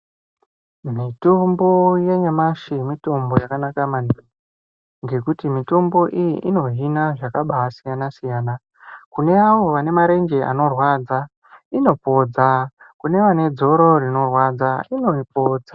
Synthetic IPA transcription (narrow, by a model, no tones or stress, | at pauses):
mitombo̞je̞ɲamaʃimito̞mbo̞jakanakamandu | ŋɡe̞kutimito̞mbo̞ʔijḭʔino̞ɦinaʐakaɓasijanasijaːna | kune̞aʋo̞ʋane̞maɾe̞nd͡ʒe̞ʔa̰no̞rwad͡za | ino̞po̞d͡za | kune̞ʋane̞d͡zo̞ɾo̞rino̞rwad͡zaino̞ipo̞ːd͡za